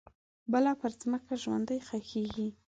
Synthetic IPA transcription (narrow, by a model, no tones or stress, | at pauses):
bəlɑpəɾzməkaʒwa̰nd̪əjxaxeɡi